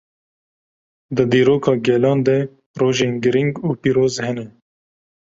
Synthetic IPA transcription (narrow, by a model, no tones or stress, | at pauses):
d̪əd̪iːɾoːkʰɑːɡɛlɑːnd̪ɛ | ɾoːʒeːnɡɨɾiŋɡuːpiːɾoːzhɛnɛ